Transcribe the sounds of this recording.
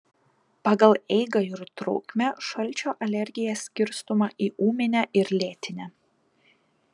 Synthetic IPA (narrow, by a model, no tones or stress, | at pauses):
pɑːɡɐlˠɛɪɡɐɪɾt̪ɾɔ̰ʊkʲmʲæʃɐlʲˑt͡ʃʲoːʔɐlʲɛɾʲɡʲɪjɛsʲkʲɪɾst̪ʊmɐʔiːʔuːmʲɪnʲæʔɪɾlʲeːt̪ʲɪnʲæ